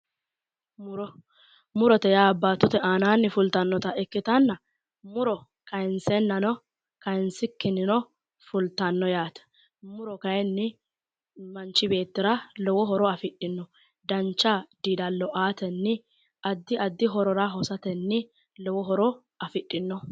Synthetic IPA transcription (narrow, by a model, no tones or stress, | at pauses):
mɾɔ | mʊɾɔt̪ɛjaːbːaːt̪ːʊt̪ɛʔaːnaːnːɪfʊlt̪ɐnːɔt̪ɐʔɛkːɪt̪ɐnːɐ | mʊɾɔ | kɐjɪnsɛnːɐnɔ | kɐjnsɪkːɪnːɪnɔ | fʊlt̪ɐnːɔjaːt̪ɛ̥ | mʊɾɔkɐjɛnːɪ | mɐnt͡ʃːɪbe̞ːt̪ːɪɾɐlɔwɔɦɔɾɔɐfɪɗɪnːɔ | d̪ɐnt͡ʃːad̪iːd̪ɐlːɔʔaːt̪ɛnːɪ | ɐd̪ːɪʔɐd̪ːɪɦɔɾɔɾɐɦɔsɐt̪ɛnːɪ | lɔwɔɦɔɾɔ | ɐfɪɗːɪnːɔ